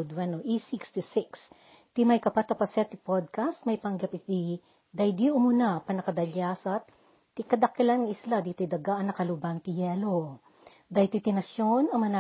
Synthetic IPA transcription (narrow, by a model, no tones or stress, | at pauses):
d̪wɛnoʔisikst̪isɪks | t̪ɪmɐjkɐpat̪ɐpɐsɛt̪ɪpod̪̚kast̪̚mɐjpɐŋɡɐpɪt̪i | d̪ɐjd̪iʔomunapɐnɐkɐd̪ɐljaːsɐt̪ː | ikɐd̪ɐkːɛlanɐŋɪslad̪iːt̪ojd̪ɐɡaʔɐnɐkɐlubaŋt̪ɪjɛlo | d̪ajt̪ojt̪ɪnɐʃjonɐŋmɐna